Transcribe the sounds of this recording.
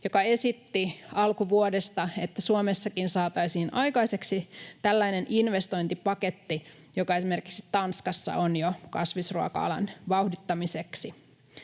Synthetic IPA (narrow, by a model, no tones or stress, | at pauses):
jokɑe̞sit̪ːiɑlkuʋuodest̪ɑet̪ːæsuomesːɑkinsɑːt̪ɑisiːnʔɑjkɑise̞ksit̪ælːæinenʔinʋest̪o̞int̪ipɑket̪ːijokɑe̞sime̞rkiksi̥tt̪ɑnskɑsːɑ̰ʔonjokɑsʋisruɑkɑ̰ɑ̰lɑ̰nʋɑuhdit̪ːɑmiseksi